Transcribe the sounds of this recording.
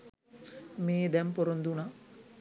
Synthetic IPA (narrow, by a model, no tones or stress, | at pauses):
meːd̪ɛmpoɾond̪una